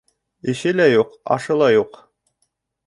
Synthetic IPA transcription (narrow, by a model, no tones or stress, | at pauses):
ɘ̆ʃɘlæjuqɑ̰ʃɤ̆lˠɑjuq